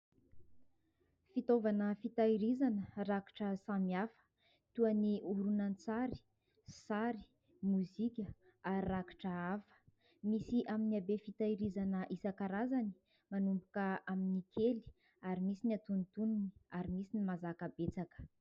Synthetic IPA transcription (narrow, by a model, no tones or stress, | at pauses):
fit̪ovanəfit̪aiɾizanəraki̥ʈ͡ʂəsamiafə̥ | t̪uaniuɾunant͡saɾi̥ | saɾi̥ | muzikʲə | aɾiraki̥ʈ͡ʂəafə̥ | misiʔaminiabefit̪aiɾizanəʔisakaɾazani̥ | manumbukəʔaminikʰeli̥ | aɾimisiniat̪unit̪ununi̥aɾimisinimazakəbet͡sakə̥